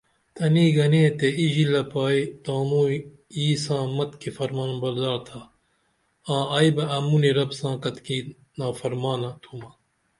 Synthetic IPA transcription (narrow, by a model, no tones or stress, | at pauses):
t̪ʰɐniːɡɐnẽːt̪eiʑilɐpaːit̪aːmũː | iːsãːmɐt̪kifɐɾmaːnbɐld̪aːɾt̪ʰaː | ãːɐːjbɐɐmuniɾɐbsãːkɐt̪kiː | naːfɐɾmaːnɐt̪ʰumɐ